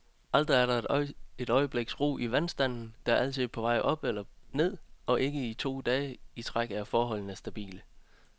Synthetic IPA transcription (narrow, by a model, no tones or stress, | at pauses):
ʔɑl̰d̥ʁiæɐɾɑ̈e̝ɾ̥ɒ̽ɪəb̥le̝ɡ̥sʁo̰ːʔiʋænsd̥æn̰n̩d̥ɑ̈ɐæl̰t͡sʰið̩̰ˠpʰɒ̽ʋɑ̈ɪ̰ʔɒ̽b̥elɐne̝ð̞̰ˠɒ̽ʔe̝ɡ̥əit͡sʰo̝̰ːd̥ɛːəit͡sʰʁaɡ̥æɐfɒːɦɒ̽l̰n̩æɐsd̥æb̥ḭːlə